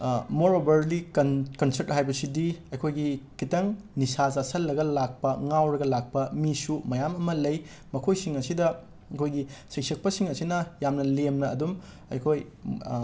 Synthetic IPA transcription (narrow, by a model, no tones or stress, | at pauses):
moɾobɐɾlikkɐnsɐɾt̚ɦajbɐsidiɐjkʰojɡikitɐŋnisazasɐlːɐɡɐlak̚pɐŋawɾɐɡɐlak̚pɐmisumɐjamɐmɐlɐj | mɐkʰojsiŋɐsidɐ | kʰojɡisek̚sɐk̚pɐsiŋɐsinɐjamnɐlemnɐːdum | ɐ̰jkʰoj